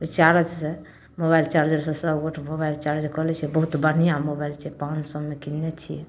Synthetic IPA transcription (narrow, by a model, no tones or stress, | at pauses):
et͡ʃaɾəd͡ʒse | mobajlt͡ʃaɾd͡ʒəɾsẽsəbɡoʈʰmobailt͡ʃaɾəd͡ʒkɔɦlɛt͡ʃʰiɛbəɦut̪bəɽ̤ijamobailt͡ʃʰɛpãnt͡ʃsəbmekinːet͡ʃʰijɛ